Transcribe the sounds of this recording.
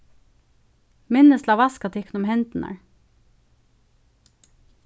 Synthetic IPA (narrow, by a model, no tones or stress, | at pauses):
mɪnəst̪lɑːʋɑskɑt̪ʰːɪkːnʊmhɛnd̪̥n̩ʔɑ̰ɹ